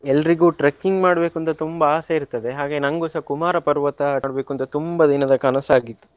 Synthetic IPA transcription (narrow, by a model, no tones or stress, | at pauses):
ɛlːɐɾiɡuːʈɾɐkːiŋɡmaːɽbe̞ːkuɐnt̪ɐt̪umbɐaːseiɾt̪ːɐd̪e̞ɦaːɡe̞ːnɐŋɡoːsɐkumaːɾɐpɐɾʋɐt̪ɐːɽbe̞ːkuɐnt̪ːɐt̪umbɐd̪inɐd̪ɐkɐnɐsaːɡit̪ːu̥